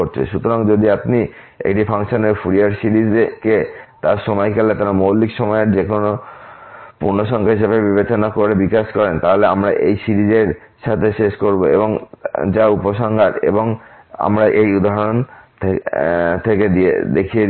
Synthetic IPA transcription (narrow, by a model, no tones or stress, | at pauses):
oɾt͡ɕʰḛʃut̪oɾaŋd͡ʑod̪ʱiapni | ḛk̚ʈipʰaŋʃoneɾfʰuɾiaɾsiɾid͡ʑket̪aɾʃɔmɔjkelet̪aɾmowlːikʃɔmɔeɾd͡ʑekʰono | puɾnoʃɔŋkʰaɦiʃebebibet͡ɕonakoɾebikaʃkɔɾent̪aɦoleamɾaʔejsiɾid͡ʑeɾ | ʃat̪ʰeʃeʃkoɾboḛboŋd͡ʑaupoʃɔŋɡʱat̪ḛboŋ | a̰mɾaʔejud̪aɦɾont̪ʰet̪ʰeked̪iḛd̪ekʰie